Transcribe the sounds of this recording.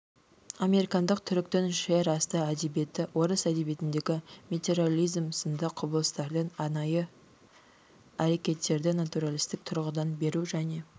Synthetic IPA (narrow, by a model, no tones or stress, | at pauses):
ɑme̞ɾikɑnd̪əqt̪ʰʏɾɪkt̪ɪnʃeɾɑst̪əæd̪e̞bje̞t̪ɪwo̞ɾəsæd̪e̞bjet̪ɪnd̪e̞ɡʲɪmʲet̪e̞ɾalʲˠijzmsənd̪əqʰːʊbəlˠəst̪ɑɾd̪ənɑnɑjə | æɾe̞kʲe̞t̪ːe̞ɾd̪ɪnat̪uɾalʲˠist̪ɪk̚t̪ʰʊɾʁəd̪ɑnbe̞ɾuʒæne̞